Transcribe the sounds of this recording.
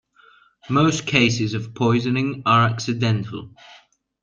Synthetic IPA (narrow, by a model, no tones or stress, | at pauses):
məʊskʰeɪsɪzəv̥pʰɔɪzənɪ̃ŋəɹaksɪdɛ̃ntʰə̰lˠ